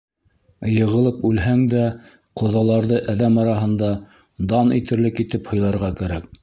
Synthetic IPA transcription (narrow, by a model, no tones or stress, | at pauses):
jɤ̆ʁɤ̆lˠɤpʉlɦæŋd̪æ | qŏðɑlˠɑɾðɤʔæðæmɑɾɑɦɤ̆nd̪ɑ | d̪ɑnḭt̪ɘ̆ɾlɘkit̪ɘphŏjlˠɑɾʁɑkæɾæk̚